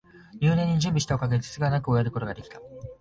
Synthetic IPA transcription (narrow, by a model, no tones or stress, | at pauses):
jɨːnẽ̞ɲ̟ːiʑɨ̃mbʲiɕi̥t̪aokaɡet͡sɨ̥t͡sɨɡanakɯo̞jaɾɯ̟ko̞t̪oɡad̪e̞kʲi̥t̪a